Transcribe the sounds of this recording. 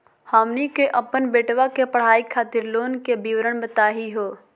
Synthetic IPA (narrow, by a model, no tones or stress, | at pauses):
haːmnikeʔəpənbeːʈʋakepəɽ̤aːikʰaːt̪ɪɾloːnkebiʋɾəɽ̃bət̪aːɦiɦoː